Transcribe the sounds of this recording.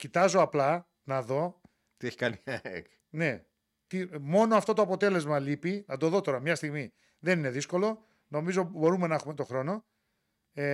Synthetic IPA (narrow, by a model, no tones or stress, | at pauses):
cit̪ɐzo̞ɐplɐ | nɐðo̞ | t̪ieçi̥kɐniɐḛk | ne̞ | t̪imo̞noɐft̪o̞t̪oɐpo̞t̪e̞le̞zmɐlipinɐd̪o̞ðo̞t̪o̞ɾɐmɲɐst̪iɣmi | ðe̞nine̞ðisko̞lo̞ | no̞mizo̞bo̞ɾume̞nɐexume̞t̪o̞xɾo̞no̞ | e